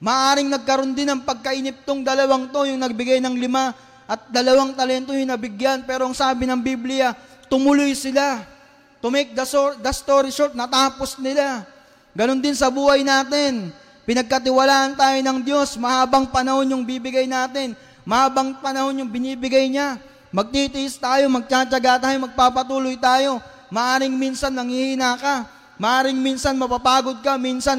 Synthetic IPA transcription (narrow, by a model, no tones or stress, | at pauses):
mɐʔaːɾɪŋnɐɡ̚kɐɾond̪ɪnɐŋpɐɡ̚kɐʔinɪp̚t̪oŋd̪ɐlɐwaŋt̪o̞jʊŋnɐɡ̚bɪɡajnɐŋlɪma | ʔɐt̪̚d̪ɐlɐwaŋt̪ɐlɛnt̪o̞jʊŋnɐbɪɡjanpɛːɾo̞ɐŋsaːbɪnɐŋbiblɪja | t̪ʊmʊlʊjsɪla | t̪ʊmɛk̚d̪ɐsod̪ɐst̪oːɾɪʃoɾt̪̚nɐt̪aːpo̞snɪla | ɡɐno̞nd̪ɪnsɐbuːhɐjnaːt̪ɪn | pɪnɐɡ̚kɐt̪̬ɪwɐlaːʔɐnt̪aːjo̞nɐŋd̪jo̞smɐhaːbɐŋpɐnɐho̞njʊŋbibɪɡajnaːt̪ɪn | mɐhaːbɐŋpɐnɐho̞njʊŋbɪniːbɪɡajɲa | mɐɡ̚t̪it̪ɪʔɪst̪aːjo̞mɐɡ̚t͡ʃaːt͡ʃɐɡat̪̬aːjomɐɡ̚paːpɐt̪uːlojt̪aːjo̞ | mɐʔaːɾɪŋminsɐnːɐŋhihinaka | mɐʔaːɾɪŋminsɐnmɐpapaːɡo̞d̪̚kɐminsɐn